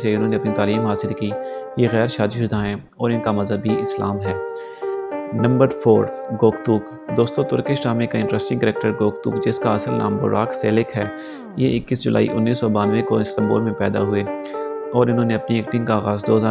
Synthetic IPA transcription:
seʊnɦõːneɐpnit̪aːliːmɦaːsɪlkiːjeɣɛːɾʃaːd͡ʒ̪iʃʊd̪ʱaːẽ | ɔːɾɪnkamɐzɦəbiɪslaːmɦɛː | nɐ̃mbəɾfʰoːɾɡoːkt̪uːk | d̪oːst̪õt̪ʊɾkesʈaːmẽkaɪ̃ɳʈɾɛsʈɪ̃ŋɡkɾeːk̚ʈəɾɡoːkt̪ṵːkd͡ʒɪskaɐsəlna̰ːmbʊ̰ɾaːkseːlɪkɦɛː | jeɪkːisd͡ʒʊlʔa̰ːḭʔʊnːiːsːɔbaːnʋẽkoɪst̪ɐ̃mbo̰ːlmẽpɛːd̪a̰ɦʊeɔːɾɪnɦõːneɐpnieːkʈɪ̃ŋɡkaaːɣaːzd̪oːɦəzaː

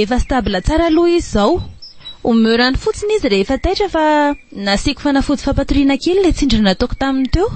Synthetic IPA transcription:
efəsi̥t̪abilət͡saɾaluizizaw | umøɾanifut͡siniziɾeɦefat̪ajʈ͡ʂəfanasiku̥fanafud͡z̪i̥fapat̪uɾinakelulet͡siɳɖ͡ʐanat̪uku̥t̪amint̪ew

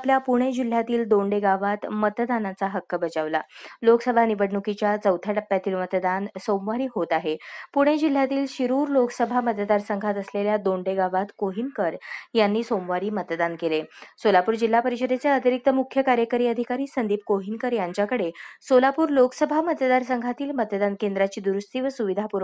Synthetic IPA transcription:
apljapuɽ̃ed͡ʑil̤jat̪iːld̪oɳɖeɡaʋat̪mət̪d̪anat͡saɦəkːəbəd͡ʑaʋlaloksəbʱaniʋəɽɳukit͡ɕjat͡səwt̪ʰaʈəpːjat̪iːlmət̪d̪ansomʋaɾiːɦot̪aɦepuɽ̃ed͡ʑil̤jat̪iːlɕiɾuːɾloksəbʱaməd̪d̪aɾsəŋɡʱat̪əsleljad̪oɳɖeɡaʋat̪koɦinkəɾjanːiːsomʋaɾiːmət̪d̪ankelesolapuːɾd͡ʑilːapəɾiɕəd̪et͡seət̪iɾik̚t̪əmukʰjəkaɾjəkəɾiːəd̪ʱikaɾiːsənd̪iːp̚koɦinkəɾjaɲt͡ɕjakəɽesolapuːɾlokə̥səbʱamət̪d̪aɾsəŋɡʱat̪iːlmət̪d̪ankend̪ɾat͡ɕiːd̪uɾust̪iːʋəsuʋid̪ʱapuɾ

